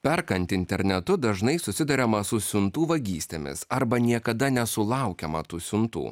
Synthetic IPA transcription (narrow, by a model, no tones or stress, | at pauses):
pʲɛɾkɐnʲt̪ʲɪɪnʲt̪ʲɛɾʲnʲɛt̪ʊd̪ɐʒnɐɪsʊsʲɪd̪ɐɾʲɛmɐsʊsʲʊnt̪uːʋɐɡʲiːsʲt̪ʲḛmʲɪ̰sɐɾbɐnʲiɛkɐd̪ɐnʲɛsʊlˠɑˑʊkʲɛmɐ̰t̪uːsʲʊnt̪ṵː